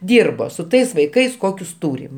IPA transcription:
ˈdʲiːrboː sʊ ˈtɐɪs ʋɐɪˈkɐɪs ˈkoːkʲʊs ˈtuːrʲɪm

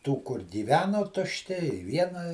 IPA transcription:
tuː kʊr ɡʲiːˈʋʲæːnoː tʊʃʲˈtʲɪ ɪ ˈʋʲiɛnɐ

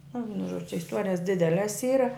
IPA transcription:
nʊ ˈʋʲiɛnʊ ʒuɔt͡ʃʲ t͡ʃʲɛ ɪsˈtuɔrʲɪjɛs ˈdʲɪdʲɛlʲɛs ˈiːrɐ

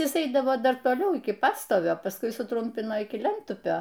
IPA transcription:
ˈjɪs ˈɛɪdɐʋoː ˈdɐr toːˈlʲɛʊ ɪkʲɪ ˈpɑːstoːʋʲoː pɐsˈkʊɪ sʊˈtrʊmʲpʲɪnoː ɪkʲɪ ˈlʲɛntʊpʲoː

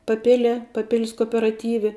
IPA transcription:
pɐˈpʲɪlʲiɛ pɐˈpʲɪlʲs koːoːpʲɛrɐˈtʲiːʋʲɛ

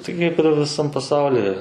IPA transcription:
tɐɪ ˈkɐɪp ɪr ʋʲɪˈsɐm pɐˈsɐʊlʲɪ

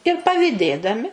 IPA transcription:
ɪr pɐʋʲɪˈdʲeːdɐmʲɪ

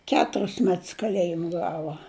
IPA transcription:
ˈkʲæːtʊrʲɪs ˈmʲɛts kɐˈlʲæːjɪm ˈɡɑːʋɐ

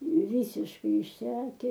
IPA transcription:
ˈʋʲiːsʲɪʃkɐɪ ɪʃʲˈsʲæːkʲɛ

